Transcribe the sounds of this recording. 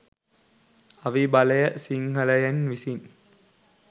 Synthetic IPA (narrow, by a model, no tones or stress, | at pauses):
ɐʋibɐlɐjəsiŋhɐlɐjɐnʋisin